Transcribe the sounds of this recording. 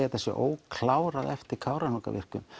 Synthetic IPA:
at̪θɛsːɛ̰ʔoːwkʰlaːwɾaðɛft̪ɪɾkʰaːwɾanɔka̰vɪ̰r̥kʏm

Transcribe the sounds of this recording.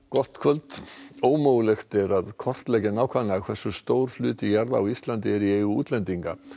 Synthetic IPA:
kɔr̥t̪kʰvœlt̪oːwmoːwlɛxt̪ɛɾaðkʰɔr̥t̪lɛːcɪnaːwkʰvanakʰv̥ɛsːʏst̪oːwɾ̥flʏːt̪ijaɾðaːwist̪lant̪ɪɛɾieːjɣʏṵːt̪lɛnt̪iŋka

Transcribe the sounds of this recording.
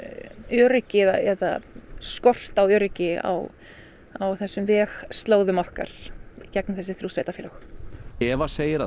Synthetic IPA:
ʏːɾɪcɪða̰ɛt̪a̰skɔr̥t̪awʏːɾɪcɪa̰w | awθɛsːʏmvɛːxst̪loːwðʏmɔhka̰ɾ̥icɛk̚nʏθɛsːɪθɾuːsveːjt̪afɛːlœxɛvaseːjɪɾa

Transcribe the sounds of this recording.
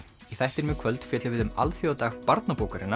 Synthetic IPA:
iθɛjht̪ɪɾmɛkʰvœlt̪fjɛːt̪lɪvɪðʏma̰lθjɔat̪aːɣpaɾt̪napoːwkaɾɪna

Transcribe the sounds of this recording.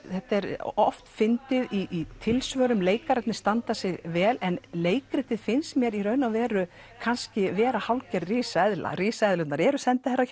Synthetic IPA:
θɛht̪aɛɾɔ̰ft̪fɪnt̪ɪðiʔit̪ʰɪlsvœːɾʏmleːjkaɾɛt̪nɪ̥st̪ant̪asɪɣvɛːlɛnleːjkɾɪt̪ɪðfɪnsmjɛːɾirœɥnawvɛːɾʏ | kʰanscɪvɛːɾahawlcɛɾriːsɛðla̰riːsɛðlʏt̪naɾɛɾʏsɛnt̪ɪθɛrːa

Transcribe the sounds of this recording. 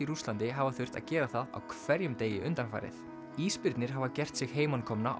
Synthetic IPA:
iɾust̪lant̪ɪɦavaθʏr̥t̪a̰ðcɛːɾaθaða̰wkʰvɛɾjʏmt̪eːjɪʔʏnt̪anfa̰jɾɪ̰θ | iːspɪɾt̪nɪɾ̥ɦavacɛr̥t̪sɪɣɦeːjmankʰɔmna̰ʔ

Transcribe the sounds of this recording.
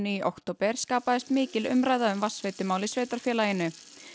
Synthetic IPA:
niːʔowkt̪ʰoːwpɛɾ̥skaːpaðɪst̪mɪːcɪlʏ̰mɾaːjðaʏmvasveːjt̪ʏmaːwlɪsveːt̪aɾ̥fjɛːlajɪnːʏ

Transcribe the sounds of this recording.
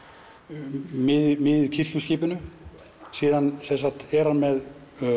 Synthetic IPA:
mɪðmɪðʏcʰɪr̥cʏsciːpʏnʏ | siːðansɛns̬at̪ɛɾanmɛð

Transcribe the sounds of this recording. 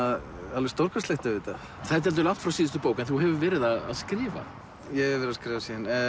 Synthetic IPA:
a | alvɪst̪owɾkast̪leht̪ʏɪːt̪a | θat̪̬ɛlt̪̬ʏlaw̥t̪fɾawsiːðʏst̪ʏpoːwkaɛnθuɦɛvʏvɛːɾɪðaða̰ðskɾɪːva̰ | jɛhvɛːɾɪðaskɾɪːvasiːðan

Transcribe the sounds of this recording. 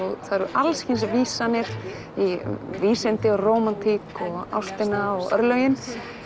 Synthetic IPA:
ɔɣθaɾʏʔalscɪnsviːsanɪɾ | iviːsɪnt̪ɪɔroːwmant̪ʰikɔɣa̰wst̪ɪnaɔɣœ̰ɾlœjɪn

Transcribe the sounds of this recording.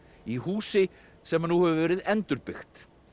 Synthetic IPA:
ihuːsɪ | sɛmanːuhɛvʏvɛːɾɪðɛnt̪ʏɾpɪxt̪

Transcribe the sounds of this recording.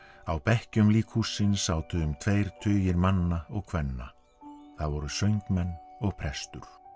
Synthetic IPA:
awpɛhcʏmliːkʰhusɪnsaːwt̪ʏðʏmt̪ʰvejɾ̥t̪ʰʏːjɪɾmanːaɔɣkʰvɛnːa̰ | θaðvɔɾʏsœɥjŋkmɛnːɔɣpʰɾɛst̪ʏɾ̥

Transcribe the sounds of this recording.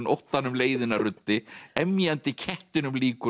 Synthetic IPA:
nowht̪anʏmleːjðɪnarʏt̪ːɪɛmjant̪ɪcʰɛht̪ɪnʏmliːkʏ

